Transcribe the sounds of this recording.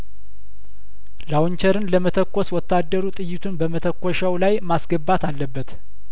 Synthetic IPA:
lawɲt͡ʃəɾɨnləmət̪ʰəkʷːɔswɔt̪ʰːad̪ːəɾut̪ʼɨjːɪt̪ʰunbəmət̪ʰəkʷːɔʃawlajmasɡəbːat̪ʰalːəbːət̪

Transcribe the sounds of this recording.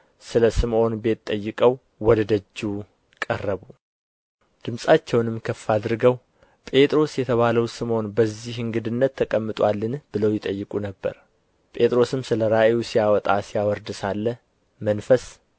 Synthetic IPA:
sɨləsɨmʔo̞nbe̞t̪ʼːəjːɨkʼəw | wɔd̪əd̪əd͡ʒːu | kʼərːəβu | d̪̥ɨmsʼat͡ʃːɛwnɨmkʰəfːad̪ɾɨɡəw | pʼe̞t̪ʼɾo̞sjɛt̪ʰəβaləwsɨmo̞nbəzːihɨŋɡɨd̪ɨnːət̪ʰːəkʼəmːɨt̪ʼwalːɨnb̥ɨləwjɪt̪ʼəjːɨkʼunəbːə̰ɾ | pʼe̞t̪ʼɾo̞sɨmsɨləɾaʔeusijawɔt̪ʼasijawɔɾd̪ɨsalːə | mənfəs

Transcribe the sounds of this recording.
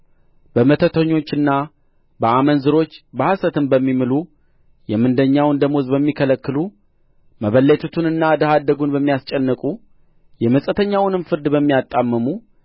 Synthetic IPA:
bəmət̪ʰət̪ʰəɲːo̞t͡ʃːɨnːa | bəamənzɨɾo̞t͡ʃːbəhasət̪ɨmbəmːimɨlu | jɛmɨnd̪əɲːawɨnd̪əmozbəmːikʰələkːɨlu | məβəlːət̪ʰut̪ʰɨnɨnːad̪əhad̪ːəɡunbəmːijast͡ʃʼɛnːɨkʼu | jɛməsʼət̪ʰəɲːawʊnɨmfɨɾd̪bəmːijat̪ʼːamːəmu

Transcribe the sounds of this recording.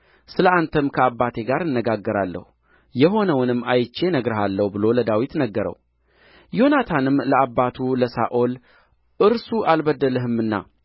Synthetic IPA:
sɨləant̪ʰəmkʰəabːat̪ʰe̞ɡaɾɨnːəɡaɡːəɾalːə̰hu | jɛɦo̞nəwnɨmːajt͡ʃːe̞nəɡɾəɦalːəhbɨlo̞ləd̪awit̪nəɡːəɾə̰w | jo̞nat̪ʰanɨmləabːat̪ʰuləsaʔol | ʔɨɾsuʔalbəd̪ːələɦɨmːɨnːa̰

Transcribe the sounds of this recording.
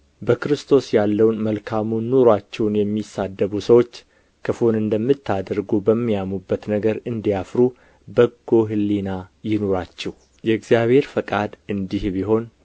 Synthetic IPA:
bəkɾɨst̪ʰo̞sjalːəwnməlkʰamunːoɾwat͡ʃːɛwnjɛmːisːad̪ːəβusəwo̞t͡ʃː | kʰəfonɨnd̪əmːɨt̪ʰːad̪əɾɡubəmːijamubːət̪nəɡəɾɨnd̪ijafɾu | bəɡːo̞ɦɨlːinajɪno̞ɾat͡ʃːɛh | jɛɨɡzijaβhe̞ɾfəkʼad̪ɨnd̪ihbiɦo̞n

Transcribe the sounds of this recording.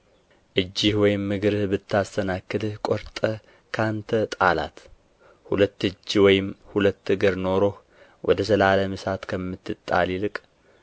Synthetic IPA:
ʔɨd͡ʒːɪhwɔjɪmːɨɡɨɾɨhbɨt̪ʰːast̪ənakːɨd̪ɨhkʼoɾt̪ʼə | kʰant̪ʰət̪ʼala̰t̪ | hṵlət̪ːɨd͡ʒːwɔjɪmhulət̪ːɨɡɨɾno̞ɾo̞h | wɔd̪əsəlaləmɨsat̪kʰəmːɨt̪ːɨt̪ʼːa̰lilɨkʼ

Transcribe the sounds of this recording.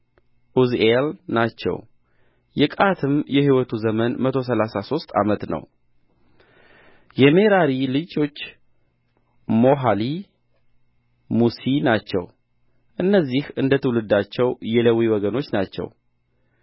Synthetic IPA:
ʔuzelnat͡ʃːɛ̰w | jɛkʼat̪ʰɨmjɛhiwɔt̪ʰuzəmənmət̪ʰo̞s̬əlasaso̞st̪ʼa̰mət̪nə̰w | jɛme̞ɾaɾilɨd͡ʒo̞t͡ʃː | mo̞ɦali | musinat͡ʃːɛ̰w | ʔɨnːəzːihɨnd̪ət̪ʰəwlɨd̪ːat͡ʃːɛwjɛləwiwɔɡəno̞t͡ʃːnat͡ʃːɛ̰w

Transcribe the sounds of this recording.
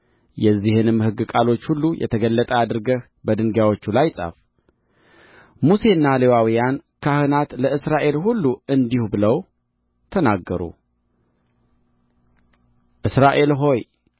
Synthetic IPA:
jɛzːihɨnɨmːhɨɡːɨkʼalo̞t͡ʃːhulːujʔɛ̰t̪ʰəɡəlːət̪ʼəad̪ɨɾɨɡəh | bəd̪ɨŋɡjawo̞t͡ʃːulajsʼa̰f | muse̞ɨnːalewawijankʰahɨnat̪ləɨsɾaʔe̞lɦulːuɨnd̪ihubɨləw | t̪ʰənaɡːəɾṵ | ʔɨsɾaʔe̞lɦo̞j

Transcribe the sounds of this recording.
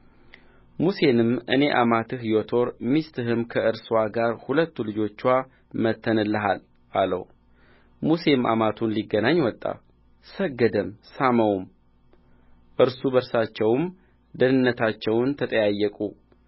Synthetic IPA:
muse̞nɨmʔɨ̰ne̞ʔamat̪ʰɨɦjot̪ʰo̞ɾmist̪ʰɨɦɨmkʰəɨɾswaɡaɾhulət̪ːulɨd͡ʒo̞t͡ʃːwa | mət̪ʰːənɨlːəɦa̰l | alə̰w | muse̞mʔa̰mat̪ʰunliɡːənaɲːwɔt̪ʼːa̰ | səɡːəd̪əmsaməwm | ʔɨɾsubəɾsat͡ʃːɛwm | d̪ənɨnːət̪ʰat͡ʃːɛwnt̪ʰət̪ʼəjajːəkʼu

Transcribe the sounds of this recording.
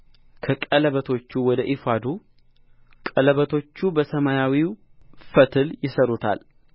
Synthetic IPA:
kʰəkʼələβət̪ʰo̞t͡ʃːuwɔd̪əʔifad̪u | kʼələβət̪ʰo̞t͡ʃːubəsəmajawifət̪ʰɨljɪsəɾut̪ʰa̰l

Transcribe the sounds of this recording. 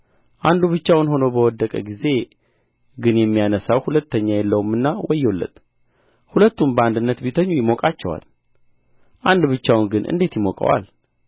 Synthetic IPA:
ʔand̪uβɨt͡ʃːawnho̞nobəwɔd̪ːəkʼəɡize̞ | ɡɨnjɛmːijanəsawhulət̪ːəɲːajɛlːəwumːɨnːawɔjːolːə̰t̪ | hulət̪ːumbəand̪ɨnːət̪bit̪ʰəɲːujɪmokʼat͡ʃːɛwa̰l | ʔand̪bɨt͡ʃːawnɡɨnʔɨ̰nd̪e̞t̪jɪmokʼə̰wa̰l

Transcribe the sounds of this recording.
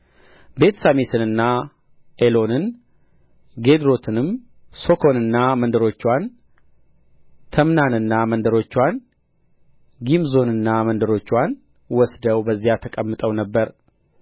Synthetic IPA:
be̞t̪samit̪ʰɨnɨnːa | ʔelo̞nɨn | ɡe̞d̪ɾo̞t̪ʰɨnɨm | so̞kʰo̞nɨnːamənd̪əɾo̞t͡ʃːwan | t̪ʰəmnanɨnːamənd̪əɾo̞t͡ʃːwan | ɡimzo̞nɨnːamənd̪əɾo̞t͡ʃːwan | wɔsd̪əwbəzːijat̪ʰəkʼəmːɨt̪ʼəwnəbːəɾ

